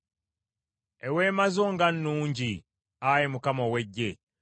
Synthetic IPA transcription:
e̞we̞ːmazo̞ːŋɡanːuːɲɟi | ajimukamowe̞ɟːe̞

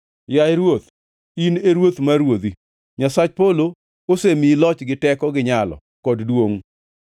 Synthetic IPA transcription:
jaeɾwot̪ | ineɾwot̪maɾwod̪i | ɲasat͡ʃpolo | osemilɔt͡ʃɡɪtɛkɔɡɪɲalɔ̰ | kɔddwoŋ

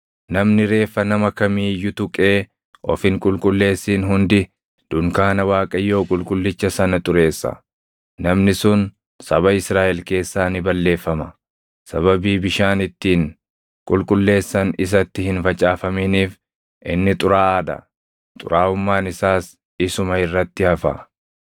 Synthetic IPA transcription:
nɐmnɪɾe̞ːfːɐnɐmɐkɐmiːjʊt̪ʊkʼe̞ː | ʔɔfɪŋkʼʊlkʼʊlːe̞ːsːiːnɦʊnd̪ɪ | d̪̥ʊŋkaːnɐwaːkʼɐjːo̞ːkʼʊlkʼʊlːɪt͡ʃːɐsɐnɐt̪ʼʊɾe̞ːsːɐ̰ | nɐmnɪsʊn | sɐbɐɪsɾaːʔɛlke̞ːsːaːnɪbɐlːe̞ːfːɐmɐ | sɐβɐbiːbɪʃaːnɪt̪ːiːŋ | kʼʊlkʼʊlːe̞ːsːɐnɪs̬ɐt̪ːɪhɪnfɐt͡ʃʼaːfɐminiːf | ʔɪnːɪt̪ʼʊɾaːaːd̪ɐ̰ | t̪ʼʊ̰ɾaːʊmːaːnɪsaːs | ɪsʊmɐɪrːɐt̪ːɪhɐfɐ̰

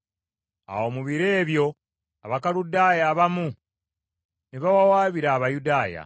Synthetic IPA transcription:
a̰wo̞ːmuβiɾeːβjo̞ | aβakaludaːjaːβamu | neβawawaːβiɾaːβajudaːja̰

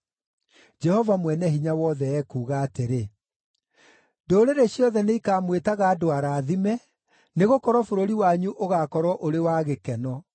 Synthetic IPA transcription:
d͡ʒɛhɔvamwɛnɛɦiɲawɔðɛɛkuːɣaːteɾe | doːɾeɾeɕjɔðɛneikaːmwetaɣaːdoaɾaːðimɛ | neɣokɔɾɔfoɾoɾiwaɲuʔoɣakɔɾwɔʔoɾewaːɣekɛnɔ

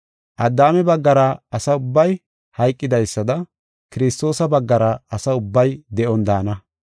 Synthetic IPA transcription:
ʔɐd̪ːaːmɛbɐɡːɐɾɐɐsɐʊbːɐj | hɐjkʼːɪd̪ɐjsːɐd̪ɐ | kɪɾɪst̪o̞ːsɐbɐɡːɐɾɐɐsɐʊbːɐjd̪ɛʔɔnd̪aːnɐ

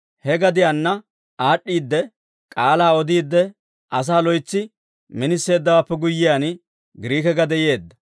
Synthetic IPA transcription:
hɛɡɐd̪ɪjanːɐ | aːɗːiːd̪ːɛ | kʼaːlaːɔd̪iːd̪ːɛ | ʔɐs̬aːlɔjt͡sːɪ | mɪnɪsːe̞ːd̪ːɐwaːpːɛɡʊjːɪjaːn | ɡɪɾiːkɛɡɐd̪ɛje̞ːd̪ːɐ

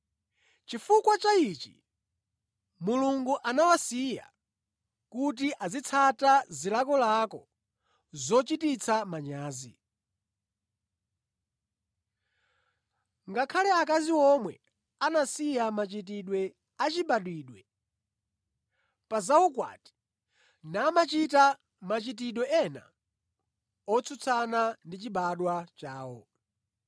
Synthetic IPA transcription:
t͡ʃifukwat͡ʃait͡ʃḭ | muluŋɡuʔanawasija̰ | kut̬iʔazit͡sʰatazilakɔlakɔ | zɔt͡ʃitit͡sʰamaɲaːzḭ | ŋɡakʰalɛakaziwɔmwɛ̰ | anasijamat͡ʃit̬iɗwɛ | at͡ʃiɓaɗwiːɗwɛ | pazaukwa̰ti̥ | namat͡ʃita | mat͡ʃit̬iɗwɛʔɛna̰ | ɔt͡sʰut͡sʰanandit͡ʃiɓaɗwat͡ʃaːwɔ

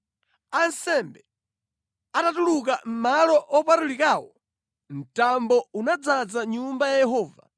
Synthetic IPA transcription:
ansɛmbɛ | atatuluk̬am̩malɔʔɔpatulikaːwɔ | n̩tambɔunad͡zad͡zaɲumbajajɛɦɔːva̰

